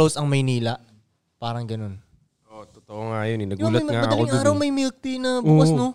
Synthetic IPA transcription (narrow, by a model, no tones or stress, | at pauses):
owsɐŋmɐjniːlɐʔ | paːɾɐŋɡɐno̞n | ʔot̪ot̪oʔoŋajonɪnɐɡuːlɐt̪̚ŋaɐʔɐkoɾɐwmɐjmɪk̚t̪inɐbuːkɐsno